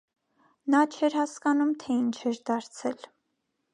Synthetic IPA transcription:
nɑt͡ʃʰɛɾhɑskɑnumt̪ʰɛint͡ʃʰɛɾd̪ɑɾt͡sʰɛl

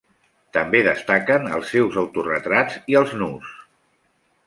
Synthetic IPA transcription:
t̪əmbeðəst̪akənə̰lˠsːewzəwt̪urət̪ɾaziəlˠznus

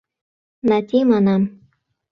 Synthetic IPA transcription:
natimanam

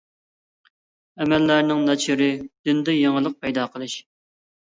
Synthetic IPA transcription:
ɛmɛlːæɾnɪŋnɑt͡ʃʰiɾɪd̪̥ynd̪ɛjeŋəlˠəq̚pʰɛjd̪ɑqʰəlˠɨʃ

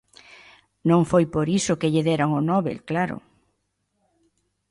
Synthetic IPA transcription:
nõŋfojpoɾisʊkɪʎɪðɛɾaŋonɔβḛlklaɾʊ̰

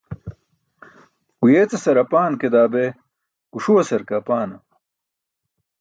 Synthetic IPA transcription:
kujeːt͡sɐsɐɾɐpaːnked̪aːbe | kuʂuwɐsɐɾkapaːnɐ

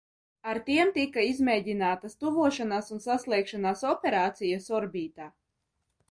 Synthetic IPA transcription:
aɾt̪iɛmt̪ikaizmɛjɟinaːt̪ast̪uvuɔʃanaːsunsaslˠiɛkʃanaːsɔpʲɛɾaːt̪sijasɔɾbiːt̪aː

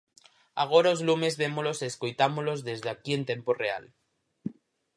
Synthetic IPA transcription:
a̰ɣ̞oɾaozlume̞zβemolo̞seskojt̪amolo̞zðe̞zðeakie̞nt̪e̞mporea̰l

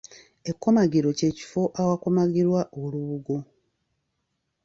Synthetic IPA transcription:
e̞kːo̞maɡiɾo̞ce̞ːci̥fo̞ʔawako̞maɡiɾwaʔoluβuɡo̞

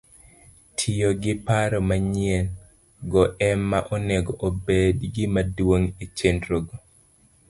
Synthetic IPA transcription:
tʰijoɡɪpaɾɔmaɲɪɛn | ɡɔʔɛmːaʔɔnɛɡɔʔobedɡɪmadwoŋet͡ʃendɾoɡɔ

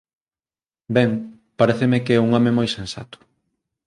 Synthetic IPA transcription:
bɛŋ | paɾɛθemɪkɛuŋɔmẽmojsẽnsa̰t̪ʊ̥

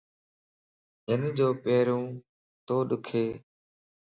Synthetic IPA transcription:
ɦɪnd͡ʒoːpeːɾũː | t̪oːɗʊkʰeː

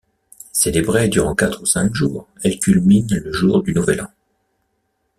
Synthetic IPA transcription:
selebʁed̪yʁɑ̃kat̪χusɛ̃kʒuːʁ | ɛlkʲylminləʒuʁd̪ynuvɛlɑ̰̃

